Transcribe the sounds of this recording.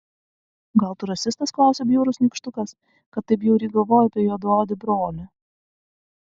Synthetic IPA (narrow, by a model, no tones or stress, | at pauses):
ɡɐlˠt̪ʊɾɐsʲɪst̪ɐsklˠɑˑʊsʲebʲjuːɾʊsnʲɪkʃt̪ʊkɐs | kɐt̪ːɐɪp̬jɛʊɾʲiːɡɐlˠʋoːjɐpʲiɛjuːd̪oːd̪ʲɪbɾoːlʲɪ